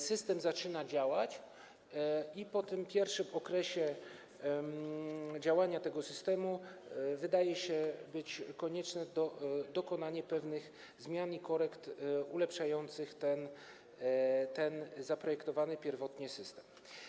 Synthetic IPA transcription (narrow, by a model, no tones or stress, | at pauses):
sɘst̪ɛmzat͡ʂɘnad͡ʑawat͡ɕ | ipɔt̪ɘmpʲjɛɾfʂɘmɔkɾɛɕɛ | d͡ʑawaɲat̪ɛɡɔsɘst̪ɛmuvɘd̪ajɛɕɛbɘt͡ɕkɔɲɛt͡ʂnɛd̪ɔd̪ɔkɔnaɲɛpɛvnɘx | zmʲjanikɔɾɛkt̪ulɛpʂajɔnt̪sɘxt̪ɛn | t̪ɛnzapɾɔjɛkt̪ɔvanɘpʲjɛɾvɔt̪ɲɛsɘst̪ɛm